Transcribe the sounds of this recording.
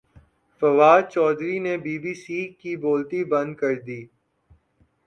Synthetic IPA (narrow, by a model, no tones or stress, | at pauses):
fɐʋaːd̪̚t͡ʃɔːd̪ɾinebiːbiːsiːkiboːlt̪ibɐ̃nd̪̚kɐɾd̪iː